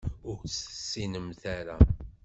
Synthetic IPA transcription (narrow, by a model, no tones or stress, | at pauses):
ʊɾt͡sθə̥sːinəmθaɾa